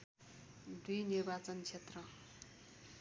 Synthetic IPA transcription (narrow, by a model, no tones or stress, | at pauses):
d̪ujnirbat͡sʌnt͡sʰet̪rʌ